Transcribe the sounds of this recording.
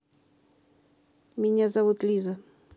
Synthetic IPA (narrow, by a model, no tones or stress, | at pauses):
mʲɪnʲazɐvut̪lʲizə